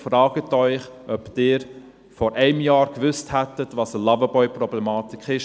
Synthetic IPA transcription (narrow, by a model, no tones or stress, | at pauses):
fɾɑːɡ̥ətœʏχʔœptɪːɾ | fɔɾʔɛɪmjɑːɾkʋʏsthætətʋɑsəlɑvəbɔʏprɾɔblɛmɑːtɪkʰɪʃ